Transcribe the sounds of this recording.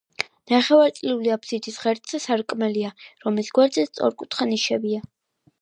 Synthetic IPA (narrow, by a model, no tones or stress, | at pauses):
naχɛvaɾt̪sʼliuliapʰsit̪ʰisʁɛɾt̪ʼsɛsaɾkʼmɛliaɾɔmlisɡwɛɾd̪zɛt̪st̪sʼɔ̰ɾkʼut̪ʰχaniʃɛbia